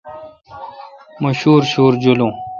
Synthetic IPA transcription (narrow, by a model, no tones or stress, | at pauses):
məɕuːɾɕuːɾd͡ʑolõː